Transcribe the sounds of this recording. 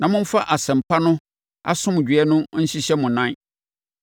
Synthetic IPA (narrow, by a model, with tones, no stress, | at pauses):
nã˨mʊ̃˦m̩˦fa˦ʔa˨sɛ̃˨m˨pʰa˦nʊ̃˦ | a̰˦sʊ̃˦m˨d͡ʑᶣɥɛ˦nʊ̃˦n̩˦ɕi˦ɕɛ˦mʊ̃˨nã˦